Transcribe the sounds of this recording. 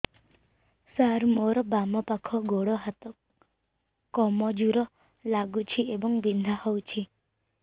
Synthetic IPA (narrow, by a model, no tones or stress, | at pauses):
saɾmoɾɔbamɔpakʰɔɡoɽɔɦat̪ɔ | kːɔmɔd͡ʒuɾɔ | laɡut͡ʃʰiebɔŋbind̪ʱahowt͡ʃʰi